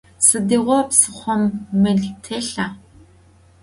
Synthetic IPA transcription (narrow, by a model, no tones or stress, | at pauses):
sɨdeːʁʷɔpsɨχʷɔmːɨɮtʰeɬaː